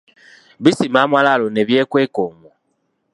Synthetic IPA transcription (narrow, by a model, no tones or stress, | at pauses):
βisimamwalalone̞βjeːkwe̞ːkoːmo